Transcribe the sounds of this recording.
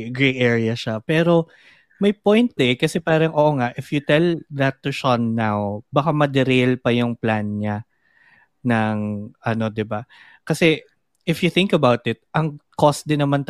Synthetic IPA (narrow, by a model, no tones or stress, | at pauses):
ɡɹejʔɛɹɪɐʃapɛːɾo̞ | mɐjpojnt̪̚d̪ɛkɐsɛpaːɾɐŋʔoːʔoŋaʔɪfjʊt̪ɛlðɐt̪ːʊʃonːawbɐkamɐd̪ɛɾelpɐjʊŋplanɲa | nɐŋʔɐno̞d̪ɪba | kɐsɛ | ʔɪfjʊθɪ̃ŋkɐbawt̪ɪt̪̚ʔɐŋkost̪̚d̪ɪnːɐmant̪